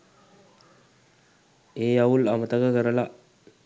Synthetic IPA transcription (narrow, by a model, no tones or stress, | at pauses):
ejaulamət̪akəkəɾəla